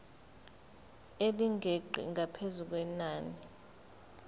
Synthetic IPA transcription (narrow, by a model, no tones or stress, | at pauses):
eliŋɡʱeǃʱḭŋʱapʰezuk̬wɛnaːni